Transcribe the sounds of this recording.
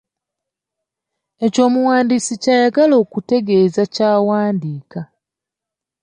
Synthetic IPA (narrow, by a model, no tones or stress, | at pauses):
e̞co̞ːmuwaːndisicaːjaɡalo̞ːkute̞ɡe̞ːzacaːwaːndiːka